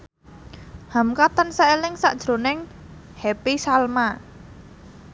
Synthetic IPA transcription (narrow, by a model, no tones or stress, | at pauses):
hamkat̪ənsaelɪŋsa̰ʔd̥ʒ̥ɾo̤nɪŋ | hɛpisalma